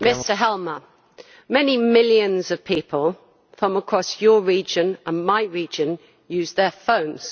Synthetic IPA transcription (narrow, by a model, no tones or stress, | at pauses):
mɪstəɦɛlˠmə | mɛnimɪljə̃nzəv̥pʰiˑpʰəlˠ | fɹʌ̃məkʰɹ̥ɒsjəɹiːd͡ʒə̃nʔə̃nmaɪɹiːd͡ʒə̃n | jʉːzðəfə̃ʊ̃nz̥